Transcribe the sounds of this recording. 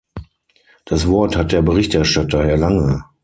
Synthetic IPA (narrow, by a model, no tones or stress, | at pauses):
d̥asv̥ɔɐthat̚d̥eːɐbəʁɪçtɛɐʃtatɐhɛːɐlaŋə